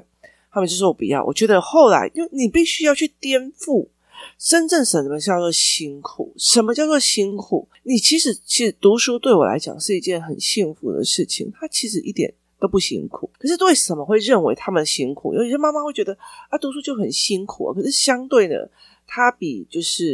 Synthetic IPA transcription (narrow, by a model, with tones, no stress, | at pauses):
t̪ʰa˥mə˨t͡ɕo˥˧ʊʂ̩˥˩wɔ˨pḭ˨˩jɑ̰˥˩ʊwɔ̰˨˩t͡ɕɥɛ˧˥d̪ə˧xo˥˩ʊla̰˧˥ɪʔi˥nwe˥˩ɪni˨˩pi˥˩ɕy˥jɑ˥˧ʊt͡ɕʰy˥˩t̪jɛ˥nfu˥˩ | ʂə˦˥nʈ͡ʂə˥˩nʂə˧˦nə˧˩ə˧t͡ɕɑ˥˧ʊt͡swɔ˥˩ɕi˥ŋkʰṵ˨˩˦ʂə˧˥nmə˧t͡ɕjɑ˥˧ʊt͡swɔ˥˩ɕi˥nkʰu˨˩˦ | ni˨˩t͡ɕʰi˧˥ʂɻ̩˧˥t͡ɕʰi˧˥ʂɻ̩˧˥˦t̪u˧˥ʂu˥t̪we˥˩ɪwɔ̰˨˩la̰˧˥ɪt͡ɕjɑ̰˨˩ŋʂɻ̩˥˧i˧˥t͡ɕjɛ˥˧˩nxə˨˩nɕi˥˩nfṵ˧˥d̪ə̰˨ʂɻ̩˥˩t͡ɕʰḭ˨˩ŋt̪ʰa˥t͡ɕʰi˧˥ʂɻ̩˧˥ʔi˥˩t̪jɛ̰˨˩n | t̪o˥ʊpu˥˩ɕḭ˥ŋkʰṵ˨˩˦kʰə˨˩ʂɻ̩˥˧t̪we˥˩ɪʂə˨˩mə˦xwe˥˧ɪɻə˥˩nwḛ˧˥ɪt̪ʰa˥mə˨nd̪ə˩ɕi˥ŋkʰṵ˨˩j̰a˥˧ma˥ma˧xwe˥˩ɪt͡ɕɥɛ˧˦d̪ə˧a˥˦t̪u˧˥ʂu˥t͡ɕjo˥˩ʊxə˨˩nɕi˥ŋkʰṵ˨˩ə̰˩kʰɤ˨˩ʂɻ̩˥˩ɕjɑ˥ŋt̪we˥˩ɪd̪ə̰˩ | t̪ʰa˥pi˨˩t͡ɕjo˥˧ʊʂɻ̩˥˩